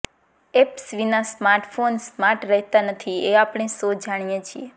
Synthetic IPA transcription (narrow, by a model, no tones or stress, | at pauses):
epsʋinasmaɾʈfonsmaɾʈɾəɦt̪anət̪ʰieapɽ̃esod͡ʒaɽ̃ijet͡ʃʰie